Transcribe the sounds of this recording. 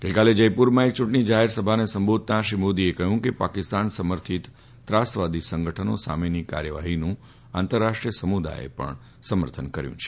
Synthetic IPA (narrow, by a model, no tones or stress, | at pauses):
ɡ̥əjkaled͡ʒəjpuɾmãek̚t͡ʃũʈəɳid͡ʒaɦeɾsəbʱanesəmbod̪̚ʱt̪aʃimod̪iekəɦũkepakɪst̪ansəməɾt̪ʰit̪ | t̪ːɾasʋad̪ʱisəŋɡəʈʰəno̰sa̰menika̰ɾjəʋaɦinũ | ã̰nt̪əɾːaʃʈɾijəsəmud̪a̰ḛpə̰ɳ | səməɾt̪ʰənkəɾjṵ̃t͡ʃʰe̥